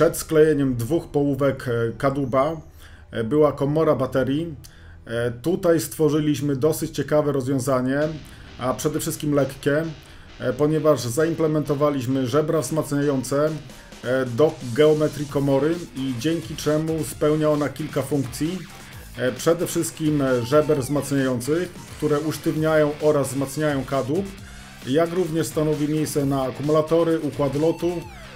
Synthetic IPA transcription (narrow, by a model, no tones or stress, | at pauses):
ʂɛt̪sklɛjeɲɛmd̪vuxpɔwuvɛkːad̪uba | bɘwakɔmɔɾabat̪ɛɾʲji | t̪ut̪ajst̪fɔʐɘlʲiɕmɘd̪ɔsɘt͡ɕt͡ɕɛkavɛɾɔzvʲjɔ̃w̃zaɲɛ | ʔapʂɛd̪ɛfʂɘst̪̚kʲimlɛkːʲɛ | pɔɲɛvaʐzaimplɛmɛnt̪ɔvalʲiɕmɘʐɛbɾavzmat̪sɲajɔnt̪sɛ | d̪ɔɡɛɔmɛt̪ɾʲikɔmɔɾɘid͡ʑɛŋkʲit͡ʂɛmuspɛwɲaɔnakʲilkafuŋkt̪sʲji | pʂɛd̪ɛfʂɘst̪̚kʲimʐɛbɛɾvzmat̪sɲajɔnt̪sɘx | kt̪uɾɛuʂt̪ɘvɲajɔ̃w̃ʔɔɾazzmat̪sɲajɔ̃w̃kad̪up | jakɾuvɲɛʂst̪anɔvʲimʲjejssɛnaːkumulat̪ɔɾɘʔukwad̪lɔt̪u